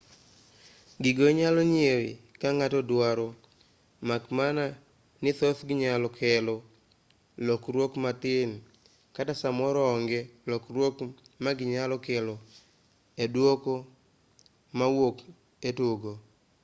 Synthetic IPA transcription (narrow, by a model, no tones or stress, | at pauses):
ɡɪɡoɲalɔɲjeɾḭkaŋatɔdwaɾɔ | makmana | nɪt̪ɔθɡɪɲalɔkʰɛlɔ | lɔkrwokmatɪn | katasamɔɾɔɔŋɡɛlɔkrwokmaɡɪɲalɔkɛlo | edwoko | mawok | etoɡo